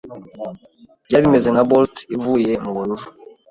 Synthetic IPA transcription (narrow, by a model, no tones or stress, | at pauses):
d͡ʒabimɛzɛŋɡabɔltivujɛmuɡoluɾ